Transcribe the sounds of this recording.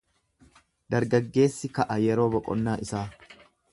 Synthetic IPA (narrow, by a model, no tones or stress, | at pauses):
d̪ɐɾɡɐɡːe̞ːsːɪkɐʔɐjɛɾoːbɔkʼɔ̰nːaːʔɪsaː